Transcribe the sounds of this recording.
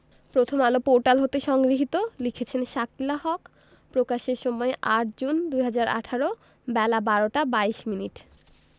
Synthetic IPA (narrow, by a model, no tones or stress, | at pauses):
pɾot̪ʰomalopoɾʈalɦot̪eʃɔŋɡɾiɦit̪olikʰet͡ɕʰenʃaklaɦɔk | pɾokaʃeɾʃɔmɔeʔaʈ̚d͡ʑund̪ujɦad͡ʑaɾʔa̰ʈʰaɾo | bɛlabaɾoʈabaiʃminiʈ